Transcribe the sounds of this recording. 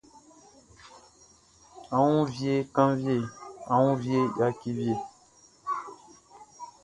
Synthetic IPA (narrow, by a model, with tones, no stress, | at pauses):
ã˨wũ˦vje˦kã˦ŋvje˦˨ã˨wũ˦vje˦˨ja˦ki˦vje˨